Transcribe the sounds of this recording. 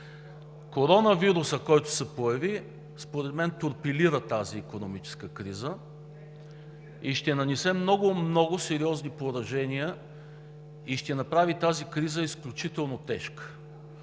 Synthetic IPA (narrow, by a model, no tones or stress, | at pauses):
koɾɔnɐviɾusəkɔjt̪ʊ̥sɛpojɐvi | spoɾɛd̪mɛnt̪ʊɾpiliɾət̪aziːkonomit͡ʃɛ̥skəkɾizə | iʃt̪ɛnɐnɛsɛmnɔɡʊmnɔɡʊsɛɾiɔznipoɾɐʒɛnijə | iʃt̪ɛnɐpɾavit̪azikɾizəisklʲʊt͡ʃit̪ɛlˠnot̪ɛʃkə̥